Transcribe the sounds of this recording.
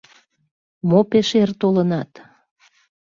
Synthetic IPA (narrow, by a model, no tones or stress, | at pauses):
mopeʃert̪olənɑt̪